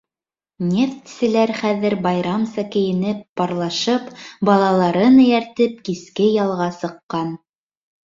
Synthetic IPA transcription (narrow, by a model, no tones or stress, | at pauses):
nʲeft̪sɘ̆læɾχæðɘ̆ɾbɑjɾɑmsɑkɘ̆jɘ̆nɘp̚ːɑɾlˠɑʃɤpbɑlˠɑlˠɑɾɤnɘ̆jæɾt̪ɘp̚kiskɘjɑlˠʁɑsɤ̆qːɑn